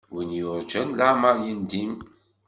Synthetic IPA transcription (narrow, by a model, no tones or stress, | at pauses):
winjʊɾˤd͡ʒænlaʕməɾˤjind̪im